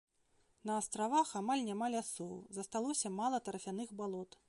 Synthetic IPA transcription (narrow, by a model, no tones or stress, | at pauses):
nɐːst̪ɾavaxamalʲnʲamalʲasɔwzɐst̪alˠɔsʲɐmalˠɐt̪ɐɾɐfʲanɨxbalˠɔt̪